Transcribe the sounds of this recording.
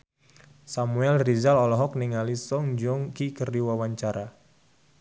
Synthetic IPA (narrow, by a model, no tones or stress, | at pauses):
samuɛlrizalɔlɔɦɔk̚niŋalisɔŋd͡ʒɔŋkikəriwawaɲt͡ʃaɾa